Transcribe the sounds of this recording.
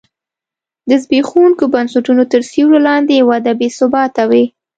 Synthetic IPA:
d̪əzbexuŋkobansʊʈunot̪əɾsiwlolɑnd̪ejawad̪abesʊbɑt̪awe

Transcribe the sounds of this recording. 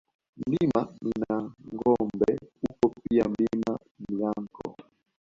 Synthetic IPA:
n̩limaninaŋɡɔmbɛupɔpiam̩lima | milaŋkʰɔ̰

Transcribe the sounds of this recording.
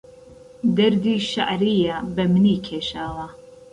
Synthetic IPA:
d̪ɐɾd̪iːʃa̰ʔɾiːjabɐmɨniːkʰeːʃaːwɐ

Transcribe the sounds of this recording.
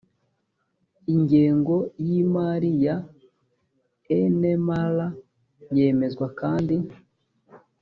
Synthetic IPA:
iɲɟeːŋɡo̞jimaɾija | enemala | je̞me̞zɡwakaːndi

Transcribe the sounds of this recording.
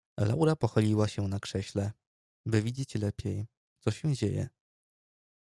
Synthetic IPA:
la̰wɾapɔxɔlʲiwaɕɛnakʂɛɕlɛ | bɘvʲid͡ʑet͡ɕlɛpʲjej | t̪sɔɕɛw̃d͡ʑejɛ̰

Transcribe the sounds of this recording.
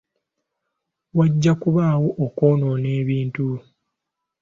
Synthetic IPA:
waɟːakuβaːwo̞ʔːko̞ːno̞ːne̞ːβiːntu

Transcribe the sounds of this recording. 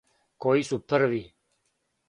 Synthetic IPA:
koːisupʰːəɾʋi

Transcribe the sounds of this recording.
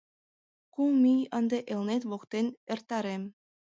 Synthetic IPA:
kumʲijɤ̆nd̪eʔelˠnet̪ʋokt̪enĕrt̪ːɑɾemʲ

